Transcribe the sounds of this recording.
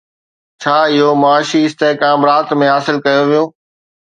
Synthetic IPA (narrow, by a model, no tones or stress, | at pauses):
t͡ɕʰaːɪɦomʊaːʃiɪst̪eːkaːmɾaːt̪mẽɦaːsɪlkɐjoʋijũː